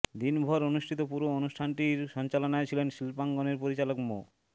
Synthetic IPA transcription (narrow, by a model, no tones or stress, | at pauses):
d̪inbʱɔɾonuʃʈʰit̪opuɾoonuʃʈʰanʈiɾʃɔnt͡ɕalonaet͡ɕʰilenʃilpaŋɡoneɾpoɾit͡ɕalokmo